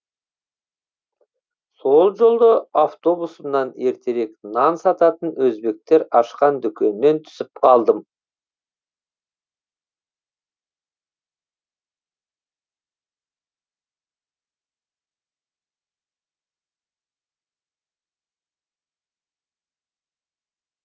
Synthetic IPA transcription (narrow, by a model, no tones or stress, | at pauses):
so̞lˠʒo̞lˠd̪əaft̪o̞busəmnɑne̞ɾt̪ʰe̞ɾe̞knɑnsɑt̪ɑt̪ənwɵzbe̞k̚t̪e̞ɾɑʃqɑnd̪ʏkʲʰe̞nːe̞nt̪ʰʏ̥sɪp̚qʰɑlˠd̪əm